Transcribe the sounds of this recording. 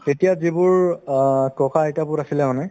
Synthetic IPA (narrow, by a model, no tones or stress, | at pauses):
etijazibʊɹ | kɔkaejtabʊtasilɛmanɛ